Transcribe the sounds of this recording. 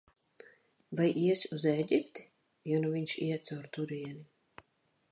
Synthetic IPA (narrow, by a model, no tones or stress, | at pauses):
vajʔiɛsuzɛɟʲipt̪i̥ | jɔnuviɲʲʃḭɛt̪sawɾt̪uɾiɛni